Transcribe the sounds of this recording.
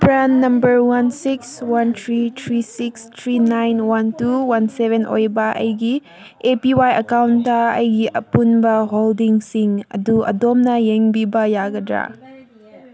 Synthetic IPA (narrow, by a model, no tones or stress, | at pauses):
pɾanːɐmbəɾwansikswantʰɾitʰɾisikstʰɾinajnwantuwansebenʔo̰jbɐʔɐ̰jɡi | epiwajɐkawntːɐɐjɡiʔɐ̰punbɐɦoldiŋsiŋɐ̰duɐ̰domnɐjeŋbibɐjaɡɐdɾa̰